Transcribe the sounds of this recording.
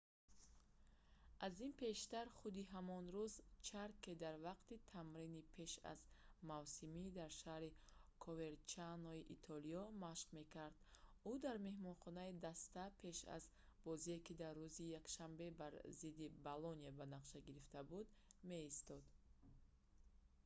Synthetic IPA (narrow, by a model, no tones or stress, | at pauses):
ʔazinpʰe̞ʃt̪aɾχud̪iɦamɔnɾuzt͡ʃʰaɾked̪aɾvaqt̪it̪ʰamɾinipʰe̞ʃa̰zmavsimid̪aɾʃahɾikʰɔve̞ɾt͡ʃanɔiʔit̪ʰɔliɔmaʃqme̞kaɾd̪ud̪aɾme̞hmɔnχɔnaid̪ast̪apʰe̞ʃa̰z | b̥ɔziekid̪arːuzijakʃambe̞baɾzid̪ibalɔniabanaqʃaɡiɾift̪abud̪me̞ist̪ɔd̪